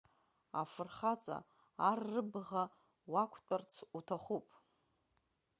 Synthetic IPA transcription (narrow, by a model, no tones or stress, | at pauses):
a̰fɨrχat͡sʼa̰ː | rːɨbʁa | wakʷʰtʷʼart͡sʰutʰaχupʼ